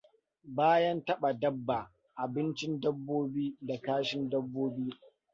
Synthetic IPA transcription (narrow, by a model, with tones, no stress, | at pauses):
baː˦jɐ˦ntɐ˦ɓa˨dɐ˦bːa˨ | ʔa˨bɪ˦nt͡ʃɪ˦ndɐ˦bːoː˦biː˦da˨kaː˦ʃɪ˦ndɐ˦bːoː˦biː˦